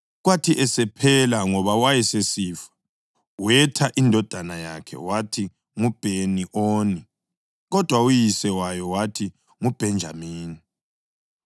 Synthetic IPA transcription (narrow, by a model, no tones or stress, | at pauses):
ɣwatʰiʔɛsɛpʰɛlaŋɔβawajɛsesiːfḁ | wɛtʰaʔindʱɔd̥ʱanajakʰɛ̰watʰi | ŋub̥ʱeniʔoːni | ɣɔd̥ʱwaujisɛwajɔwatʰi | ŋub̥ʱɛnd͡ʒʱa̰miːni